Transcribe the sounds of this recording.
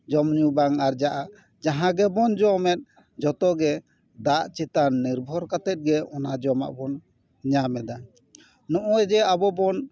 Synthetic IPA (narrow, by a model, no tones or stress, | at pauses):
d͡ʒɔmɲubaŋaɾd͡ʒaʔa | d͡ʒaɦãɡɛbɔnd͡ʒɔmɛt̪̚ | d͡ʒɔt̪ɔɡɛ | d̪aʔt͡ʃit̪anːiɾbʱɔɾkat̪ɛt̪̚ɡɛɔnad͡ʒɔma̰ʔbɔn | ɲamɛd̪a | nɔʔɔɛd͡ʒɛabɔbɔn